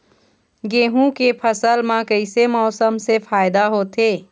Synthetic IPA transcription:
ɡeːɦũkepʰəsəlmãkəɪsemɔːsəmsefʰaːjd̪aɦot̪eː

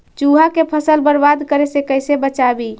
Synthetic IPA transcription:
t͡ʃuɦakepʰəsəlbəɾbad̪kəɾesekəɪsebət͡ʃabi

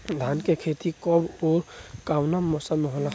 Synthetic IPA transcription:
d̪ʱankekʰet̪ikɔboɾkawnamɔsameɦola

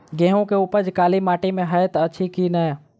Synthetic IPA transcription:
ɡẽːɦõkeupəɾd͡ʒkaːlimaːʈimẽɦəjt̪əʃʰikinəe

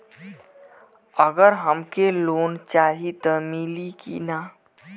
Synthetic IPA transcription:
əɡəɾɦəmkeloːnt͡ʃaːɦit̪əmilikḭnaː

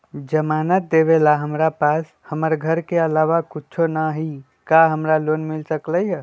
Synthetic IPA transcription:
d͡ʒəmanət̪̚d̪eβelaɦəmɾapas | həməɾɡʱəɾkeəlaʋakut͡ʃʰonaɦi | kaɦəmɾalonmilsəkləjɦ

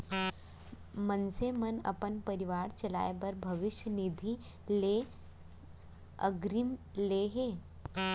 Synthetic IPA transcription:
mənsemənɐ̰pənpəɾiʋaːɽt͡ʃɐla̰ːjebəɾbʱɐʋɪʃjənid̪ʱi | le | ə̰ɡɾimleɦe

